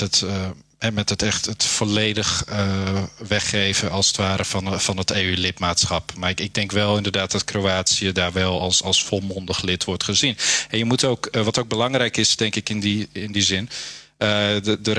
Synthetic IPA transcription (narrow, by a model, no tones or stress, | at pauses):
ət | ɛmɛtətɛχtətfolejdəχəʋɛχejvəɑlˠsətʋaːɾəfnfɑnəteːylɪtmaːtsχɑpmaɪɡ̚dɛŋkʋɛlˠɪndərdaːt̚d̥ɔtkrowaːtsiədaːɹʋɛlˠɑlˠsɑlˠsfolˠmɔndəχlɪtʰʋɔɹtχəzinɛnjəmutowkʋɑtoːwɡ̚bəlɑŋrɛjkɪsdɛŋkɪkɪndiɪndizɪn | əədər